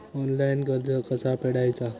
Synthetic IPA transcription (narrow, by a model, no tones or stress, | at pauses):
ɔnlajnɡəɾd͡zʱəkəsapeɽajt͡sa